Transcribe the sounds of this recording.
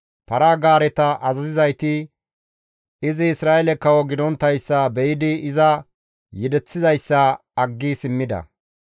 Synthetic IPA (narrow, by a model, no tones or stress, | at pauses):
pɐɾaːɡaːɾɛt̪ɐʔɐzɐzɪzɐjt̪ɪ | ɪzɪːsɾaːʔɛlɛkːɐwɔɡɪd̪ɔnt̪ːɐjsːɐbɛjɪd̪ɪɪzɐ | jɛd̪ɛt͡sːɪzɐjsːɐ | ɐɡːisɪmːɪd̪ɐ̰